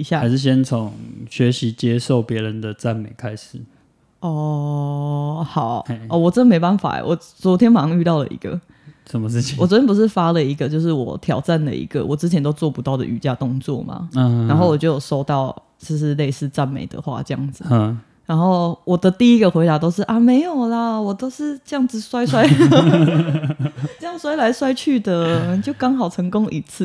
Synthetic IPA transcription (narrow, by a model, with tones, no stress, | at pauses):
i˧˥ɕja˥˨a˦ɪʂɻ̩˥˩ɕ̬jɛ˦nt͡sʰo˨˦ŋɕɥɛ˧˥ɕi˧˥t͡ɕje˦ʂo˥˨ʊpjɛ˧˥ɻə˦nd̪ə˨t͡sa˥˨nme˨˩ɪkʰa˦ɪʂɻ̩˨˩˦ | ɔ˥˧˩ | xɑ˨˩˦ʊ˧ɔ˥˧˩wɔ˨˩ʈ͡ʂə˥nd̪ə˨me˧˥ɪpa˥˨nfa̰˨˩˦wɔ˨˩ | t͡swɔ˧˦˥t̪ʰjɛ˥npɑ˥˧ŋy˥˧t̪ɑ˥˩ʊlə̰˨ʔḭ˧˥ɡ̥ə̰˨ | ʂə˨˦mə˧ʂɻ̩˥˩t͡ɕʰi˨wɔ˨˩t͡sə˦˥np̬u˧˦ʂɻ̩˥˩fa˦lə˨i˧˥ɡə˧˨t͡ɕjo˥˧ʊʂ̬ɻ̩˥˩wɔ̰˨˩t̪ʰjɑ˨˩ʊʈ͡ʂa˥˩nlə̰˨ḭ˧˥ɡ̥ə̰˨wɔ˨˩t͡sɻ̩˥t͡ɕʰjɛ˧˦nt̪o˥ʊt͡swɔ˥˩pu˧˦t̪ɑ˥˩ʊd̪ə̰˨ʔy̰˨˩t͡ɕja˥˧t̪ʊ˥˧ŋt͡swɔ̰˥˨ma̰˩˧a˧˥nxo˥˩ʊwɔ˨˩t͡ɕjo˥˩ʊjo˨˩ʊso˥ʊt̪ɑ˥˩ʊ | s̩˥˧ʂ̬ɻ̩˥˧le˥˧ɪsɹ̩˥˧t͡sa˥˨nmḛ˨˩ɪd̪ə̰˩xwa̰˥˩ʈ͡ʂɤ˥˧jɑ̰˥˩ŋd͡z̩˨˩ | ɻa˧˦nxo˥˩ʊwɔ˨˩d̪ə˦t̪i˥˩i˥ɡə˨xwe˧˥ɪt̪a˧˥t̪o˥ʊʂɻ̩˥˩ʔa˨me˧˥ɪjo˨˩ʊlə˨wɔ˨˩t̪o˥ʊʂɻ̩˥˩ʈ͡ʂɤ˥˧jɑ˥˩ŋd͡z̩˨swa˥ɪswa˥ɪ˥ | jɑ˥˩ŋswa˥ɪla˧˥ɪswa˥ɪt͡ɕʰy˥˩d̪ə˨˩˨t͡ɕjo˥˩ʊkɑ˥ŋxɑ˨˩ʊʈ͡ʂʰə˧˥ŋko˥ŋʔi˧˥t͡s̩ʰ˥˩